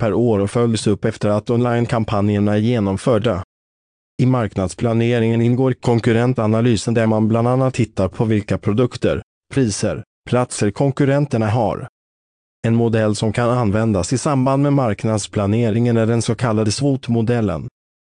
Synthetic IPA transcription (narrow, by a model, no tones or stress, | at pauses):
pʰæɾoːɾɔfœljəsɵpːɛft̪əɾat̪ɔnlajnkʰampʰanjəɳaæɾjeːnɔmfœːɖa | ɪmaɾknad̪spʰlaneːɾɪŋənɪnɡoːɾɪkʰɔŋkɵɾɛnt̪analyːsənd̪æmanbland̪anːat̪ʰːɪt̪ːaɾpʰɔvɪlkapʰɾʊd̪ɵkt̪ə̰ɾ | pʰɾiːsə̰ɾ | pʰlat̪səɾkʰɔŋkɵɾɛnt̪əɳaɦa̰ɾ | ɛnmʊd̪ɛlːsɔmkʰananvɛnd̪asɪsamband̪mɛmaɾknad̪spʰlaneːɾɪɪŋənæɖɛnsɔkʰalːad̪əsvuːt̪mʊd̪ɛlːə̰n